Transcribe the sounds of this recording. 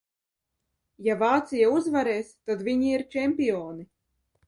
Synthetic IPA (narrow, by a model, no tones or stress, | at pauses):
javaːt̪sijauzvaɾɛːst̪ad̪vʲiɲiiɾt͡ʃɛmʲpiɔːni